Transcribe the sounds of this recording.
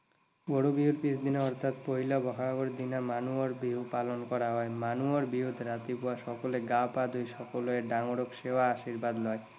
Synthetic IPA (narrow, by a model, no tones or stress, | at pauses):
ɡoɽubiuɾpisd̪inaɔɾt̪ʰat̪poɦilabɔkʰaɡoɾd̪inamanuoɾbiɦupalonkɔɾaɦɔemanuoɾbiɦud̪ʱɾat̪ipoaʃɔkoleɡapad̪ʱujʃɔkoloeɖaŋoɽokʃeoaaʃiɾbad̪lɔe